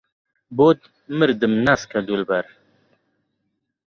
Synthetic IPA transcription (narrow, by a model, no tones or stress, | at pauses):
boːt̪ | mɨɾd̪ɨmnaskɐd̪ulbɐɾ